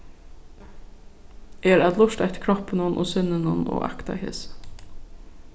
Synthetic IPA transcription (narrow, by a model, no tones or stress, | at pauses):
eːɾæd̪lʊʃt̪æt̪kʰɾɔpənʊnʔo̰ːsʏnənʊno̰ːʔɑ̰kt̪ɑ̰ɪhḛːs